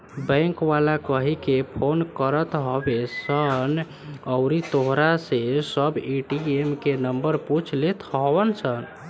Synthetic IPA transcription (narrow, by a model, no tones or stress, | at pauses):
bə̃ŋkʋalakəɦikepʰonkəɾət̪ɦobesən | əwɾit̪oɦɾasesəbiʈiemkenəmbəɾput͡ʃʰlet̪ʰɦɔbənsʰən